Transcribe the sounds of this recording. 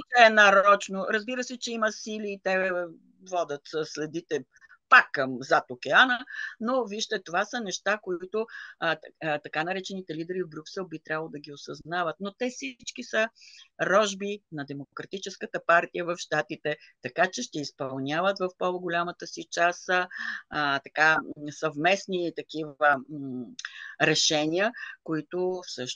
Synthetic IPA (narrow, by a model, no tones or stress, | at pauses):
t̪ɛɛnaɾɔt͡ʃnoɾəzbiɾəsɛt͡ʃɛiməsiliːt̪ɛ | vɔd̪ʲət̪səslɛd̪it̪ɛ | pakːɐmzat̪okʲɛanənoviʃt̪ɛt̪ovasənɛʃt̪akoit̪ʊ | t̪ɐkanɐɾɛt͡ʃɛnit̪ɛlid̪ɛɾivbɾʲuksɛlˠbit̪ɾʲabvəlˠod̪ɐɡʲiosɐznavət̪̚not̪ɛfsit͡ʃkisəɾɔʒbinɐd̪ɛmokɾɐt̪it͡ʃɛskət̪əpaɾt̪ijəvɐfʃt̪at̪it̪ɛt̪ɐkat͡ʃɛʃt̪ɛispɐlˠnʲavət̪vɐfpɔvoɡʊlʲamət̪əsit͡ʃas | t̪ɐkasɐvmɛsnit̪ɐkivə | ɾɛʃɛnʲiəkoit̪ʊfsɤʃ